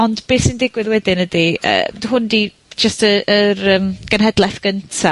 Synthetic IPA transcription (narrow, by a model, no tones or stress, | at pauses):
ɔndb̥eːsindɪɡwɪðwɛdɪnədiə̰ːdɦʊndi | d͡ʒəstəərəmɡ̥ənɦɛdlˠɛθɡ̥əntʰa